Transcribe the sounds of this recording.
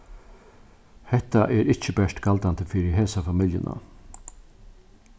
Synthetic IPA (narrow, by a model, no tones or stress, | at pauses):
hɛt̪aʔɛːɾɪt͡ʃːəbɛʂt̪ɡald̪and̪əfiɾəɦeːsafamɪljə̰nʔa̰